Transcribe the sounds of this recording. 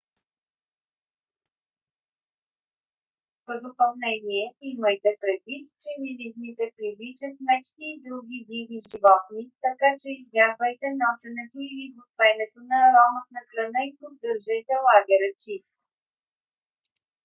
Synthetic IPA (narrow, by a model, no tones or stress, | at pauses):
vod̪opɐlˠnɛniɛiməjt̪ɛpɾɛd̪vit̪t͡ʃɛviliznit̪ɛpɾivlit͡ʃət̪mɛt͡ʃk̪iːd̪ɾuɡʲid̪iviʒivɔt̪̚nit̪ɐkat͡ʃɛizbjaɡvəjt̪ɛnɔsɛnɛt̪oilibopvɛnɛt̪onɐːɾɔmət̪nɐxɾɐnɤipod̪ːɤɾʒəjt̪ɛlˠaɡʲɛɾət͡ʃist̪